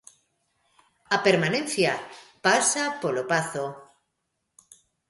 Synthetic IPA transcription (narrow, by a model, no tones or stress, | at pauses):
apeɾmanẽnθjapasapolopaθo